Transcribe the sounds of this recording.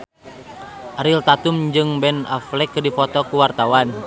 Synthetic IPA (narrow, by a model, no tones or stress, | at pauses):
ʔaɾilt̪at̪umd͡ʒɨŋbɛna̰flɛkːdifɔt̪ɔkuwart̪awan